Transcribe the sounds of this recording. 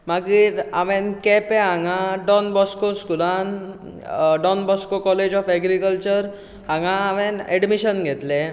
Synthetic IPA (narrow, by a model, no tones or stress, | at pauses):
maɡiɾaʋenkɛpeɦaŋaɖɔnbɔskoskulan | ɖɔnbɔskokɔled͡ʑɔfɛɡɾikəlt͡ɕəɾ | ɦãŋɡãːʋenɛɖmiɕənɡʱet̪le